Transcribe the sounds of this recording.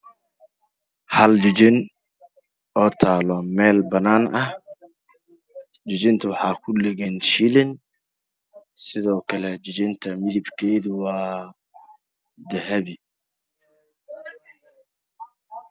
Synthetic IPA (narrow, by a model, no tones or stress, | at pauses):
hɐld͡ʒʊd͡ʒɪn | ɔːt̪ʰaːlɔmɛːlbɐnaːnɐh | t͡ʃʊd͡ʒɪnt̪ʰʊwɑħɑːkʰʊlɛɣɛnʃilɪn | sɪðɔːkʰɐlɛd͡ʒɪt͡ʃɪnt̪ʰɐmɪðɪbkʰɛːðʊwɑː | d̪ɐɦɐβɪ